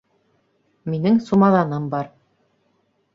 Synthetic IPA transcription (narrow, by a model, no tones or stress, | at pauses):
minɘŋsumɑðɑnɤmbɑɾ